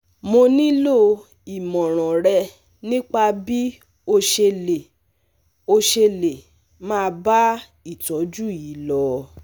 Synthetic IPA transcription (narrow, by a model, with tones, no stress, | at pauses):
mo˧nĩ˦lo˦ | i˨mɔ̃˨ɾ̃ɔ̃˨ɾɛ˧ | nĩ˦k͡pa˧bi˦ | o˧ʃe˧le˨ | o˧ʃe˧le˨ | mãː˦˧ba˦ | i˦˨tɔ˨˦d͡ʒu˦˨i˨˦lɔ˧˦